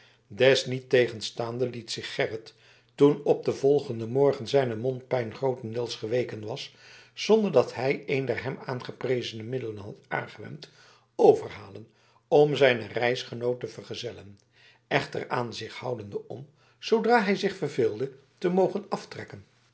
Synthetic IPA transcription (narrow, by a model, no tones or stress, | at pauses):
dɛsnitejχənstaːndəlitsɪχːɛrət | tunɔb̚dəvɔlˠχəndəmɔɹχənzɛjnəmɔnt̚pɛjnχrowtəndɪːlˠsχəʋejkənʋɑssɔndəɹdɑtɦɛjejndɛɹɦɛmaːnχəprejzənəmɪdələnɦɑta̰ːnχəʋɛ̰mt | owvərɦaːlən | ɔmzɛjnərɛjsχənowtəvərχəzɛlən | ɛχtə̰raːnzɪχhɑ̰wdəndəʔɔm | z̥owdraːɦɛjzɪχfərvɪːlˠdə | təmowχənɑftrɛkən